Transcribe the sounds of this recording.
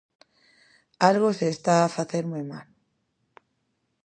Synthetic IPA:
alɣoseːst̪aːfaθe̞ɾmujmal

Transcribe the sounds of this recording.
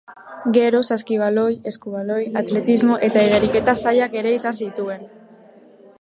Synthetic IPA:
ɡe̞ɾosaskiβ̞aloje̞skuβalojat̪le̞t̪izmoʔe̞t̪aiɣ̞eɾike̞t̪asaʎake̞ɾeisansit̪ue̞n

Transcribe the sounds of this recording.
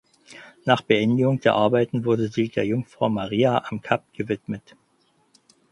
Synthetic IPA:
naːχb̥əʔɛndɪɡʊŋd̥eːɐʔaɐbaɪtn̩vʊɐdəziːdeːɐjʊŋfʁ̥aʊmaʁiːaʔamkʰap̚ɡ̥əvɪtmət

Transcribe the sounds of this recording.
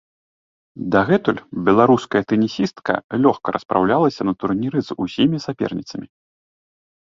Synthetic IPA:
d̪aɣɛt̪ulʲbʲɛlˠaɾuskɐjɐt̪ɛnʲisʲist̪kɐ̰lʲɔxkɐɾʔɐspɾʔa̰wlʲalˠɐsʲɐnɐt̪urnʲiɾɨzusʲimʲisapʲɛ̰rnʲit̪sɐmʲi

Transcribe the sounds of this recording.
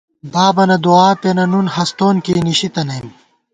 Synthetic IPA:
baːbɐnɐd̪uaːpenɐnunhɐst̪oːnkiːniɕit̪ɐnɐjm

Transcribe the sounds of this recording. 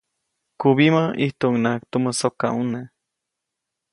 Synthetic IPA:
kuβimaʔiht̪oːŋnakt̪umosoka̰une

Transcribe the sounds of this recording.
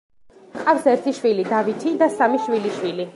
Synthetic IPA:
qʼafsɛɾt̪ʰiʃwilid̪avit̪ʰid̪asamiʃwiliʃwili

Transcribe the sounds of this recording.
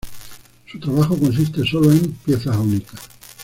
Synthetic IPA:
sut̪ɾaβaxo̞ko̞ns̬ist̪e̞so̞loe̞mpje̞θaunikḁ

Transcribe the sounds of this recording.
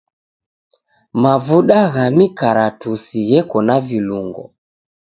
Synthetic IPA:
mavuɗaɣamikaɾatusiɣɛkɔnaviluŋɡɔ̰

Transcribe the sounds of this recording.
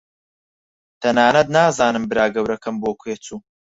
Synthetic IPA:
t̪ʰɐnaːnɐd̪̚naːzaːnɨmbɨɾaːɡɐwɾɐkʰɐmboːkʰweːt͡suː

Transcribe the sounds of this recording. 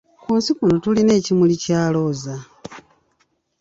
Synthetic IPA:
kuːnsikunotuline̞ːcimulicaːlo̞ːza

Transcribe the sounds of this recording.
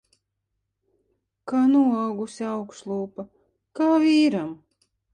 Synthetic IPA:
kaːnuaɡusʲiawkʃlˠuːpa | kaːviːɾam

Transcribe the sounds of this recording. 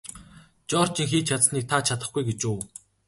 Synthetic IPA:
t͡ɕɔːr̥t͡ɕĭŋxiːt͡ɕʰat͡s̪sniːk̚t̪ʰat͡ɕʰat̪ə̆χɡujɡet͡ɕuː

